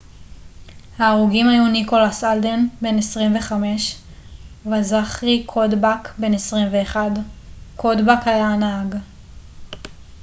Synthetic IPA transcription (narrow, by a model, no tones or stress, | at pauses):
haːʁuɡimhajuniko̞lasald̪enbe̞nesʁimve̞χame̞ʃ | vazaχikʰodbakbe̞nesʁimveːχadkod̪bakalanaaɡ